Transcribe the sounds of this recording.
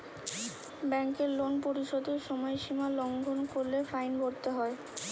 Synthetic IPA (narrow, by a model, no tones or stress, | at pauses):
bɛŋkeɾlonpoɾiʃod̪eɾʃɔmɔeʃimalɔŋɡʱonkoɾlefajnboɾt̪eɦɔe